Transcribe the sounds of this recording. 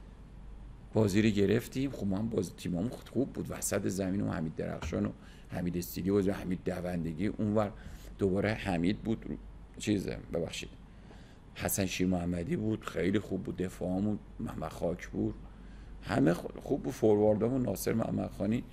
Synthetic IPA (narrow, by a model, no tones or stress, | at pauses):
b̥ɒːziːɾiɟe̞ɾeft̪imxobmæmbɒzit̪ʰimɒːmuxubːud̪væsæt̪ezæmiːno̰hæ̰miːd̪̚ːeɾæ̰xʃɒ̰ːno | hæ̰miːd̪est̪iːd̪iːbɒːzimhæmiːd̪̚ːævænd̪e̞ɟiːʔunvæɾd̪̥obɒːɾehæmiːd̪̚bud̪̥ | t͡ʃʰiz̰bebæxʃḭd̪̥ | hæsænʃiːɾmoæmːæd̪ibud̪̥xejlixubːuːd̪̚ːe̞fɒːmun | mæ̰hmæd̪xɒːcʰbuɾ | hæ̰mexxubːud̪̥foɾvɒɾd̪ɒmunnːɒːsḛɾmæ̰hmæ̰d̪̥xɒːni